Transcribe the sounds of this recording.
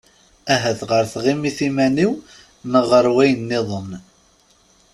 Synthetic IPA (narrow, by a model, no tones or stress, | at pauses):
æɦæθʁəɾθʁimiθimæniw | məʁəɾwæjənːɪðˤəm